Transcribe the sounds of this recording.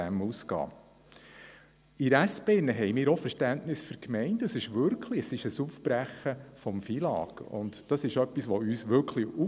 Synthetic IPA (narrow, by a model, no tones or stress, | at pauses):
æmuskɑ̰ː | iɾæspeːnəɦɛjmɪːɾɔfəɾʃtænʔnɪsfʏɾkmɛɪntəsɪʃʋʏɾkʰliəsɪʃəsufb̥ɾæχəfɔmfilɑ̰ːɡ̥ʊ̰ntd̥ɑsɪʃœpːisʋɔyːsʋʏɾkʰliu